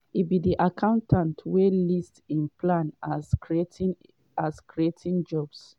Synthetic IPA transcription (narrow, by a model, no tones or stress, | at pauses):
itbidiʔakʰãʊ̃ntʰãntʰwelistĩnplãn | askɹietʰĩnd͡ʒɔbs